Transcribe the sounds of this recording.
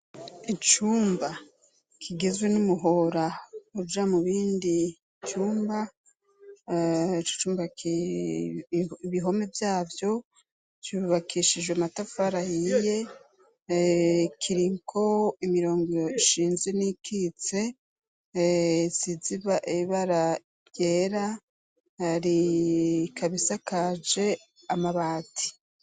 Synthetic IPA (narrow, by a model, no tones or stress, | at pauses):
it͡ʃuːmba | kʰiɡe̞zwe̞numuɦo̞ɾaud͡ʒamuβiːndi | t͡ʃuːmba | t͡ʃo̥t͡ʃuːmbaki | iβiɦo̞me̞vjaːvjo̞ | t͡ʃuβakʰiʃid͡ʒɡwematafaɾajije̞ | kʰiɾiŋkʰo̞imiɾo̞ːŋɡioiʃiːnzenikʰit͡se̞ | ziziβaʔeβaɾa | jeɾa | haɾi | kʰaβisakad͡ʒe̞ | amaβaːtʰi̥